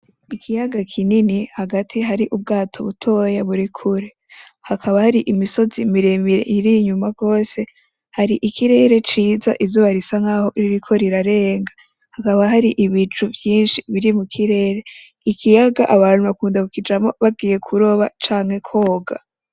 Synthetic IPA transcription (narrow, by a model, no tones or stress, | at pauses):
ikʰijaɡakʰininihaɡatʰiɦaɾiʔub̚ɡaːtʰo̞βutʰo̞ːjaβuɾikʰuɾe | hakʰaβahaɾiʔimiso̞zimiɾemiɾḛʔiɾiɲumaɡo̞ːse̞ | haɾiʔikʰiɾe̞ɾe̞t͡ʃiːza̰ʔivzoβaɾisaŋaːho̞ʔiɾiɾikʰo̞ɾiɾaɾeːŋɡa | hakaβaɦaɾiʔiβit͡ʃuvjiːnʃiβiɾimukʰiɾe̞ːɾe̞ | ikʰijaɡa̰ʔaβaːnhuβakuːndaβukid͡ʒamo̞βab̚ɡiːje̞kʰuɾo̞βa̰t͡ʃaːŋhe̞kʰo̞ːɡa̰